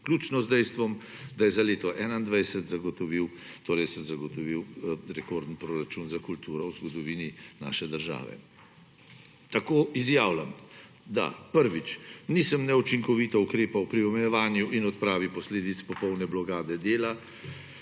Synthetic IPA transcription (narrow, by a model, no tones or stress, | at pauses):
klʲuːt͡ʃnɔzd̪ɛjst̪ʋɔm | d̪ajɛzaleːt̪ɔʔɛːnaind̪ʋɛjsɛt̪zaɡɔt̪ɔʋiw | t̪oːɾɛjsəmzaɡɔt̪ɔʋiwɾɛkoːɾd̪n̩pɾoːɾat͡ʃunzakult̪uːɾɔwzɡɔd̪ɔʋiːnina̰ːʃɛd̪əɾʒa̰ːʋɛ̰ | t̪akoːizjaːwlam | d̪a̰pəɾʋit͡ʃnisəmnɛut͡ʃiŋkɔʋit̪aukɾeːpawpɾiɔmɛjɛʋaːnjuʔinɔt̪pɾaːʋiwpɔsleːd̪it̪spɔpɔwnɛblɔɡaːd̪ɛd̪eːla